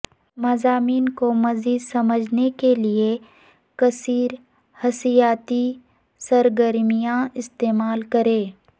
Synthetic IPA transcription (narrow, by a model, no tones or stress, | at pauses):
mɐzaːmiːnkomɐziːd̪sɐməd͡ʒʱnekelie | kɐsiːɾ | hɐsijaːt̪i | sɐɾɡəɾmijãɪst̪eːmaːlkɐɾẽː